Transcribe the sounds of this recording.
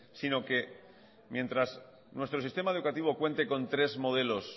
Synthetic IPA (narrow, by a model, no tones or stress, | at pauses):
sino̞ke̞ | mjẽ̞nt̪ɾas | nwe̞st̪ɾosist̪e̞mae̞ðukat̪iβ̞o̞kwe̞nt̪e̞ko̞nt̪ɾe̞zmo̞ð̞e̞lo̞s